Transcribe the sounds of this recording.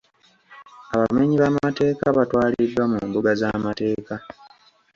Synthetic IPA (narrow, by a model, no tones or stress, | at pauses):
aβameɲiβamaate̞ːkaβatwaːlidːwamumbuɡazamate̞ːka